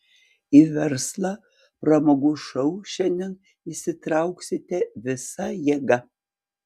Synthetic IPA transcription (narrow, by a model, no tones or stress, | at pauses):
ivʲɛɾslˠɐ | pɾɐmɐɡʊʃɐwʃʲɛndʲɛn | isʲɪt̪ɾɑʊksʲɪt̪ʲɛvʲɪsɐjɛɡɐ